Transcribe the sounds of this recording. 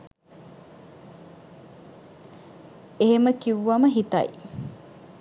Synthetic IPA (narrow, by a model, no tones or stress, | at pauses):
eɦeməkiʋʋɐməɦit̪ɐ̰i